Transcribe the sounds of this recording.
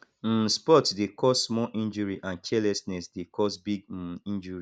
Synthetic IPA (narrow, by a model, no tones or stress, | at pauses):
m̩spɔtdekʰɔsːmɔʔĩnd͡ʒɔɹiʔãnkʰɛlɛsnɛsdekʰɔsbiɡ̩ĩnd͡ʒɔɹi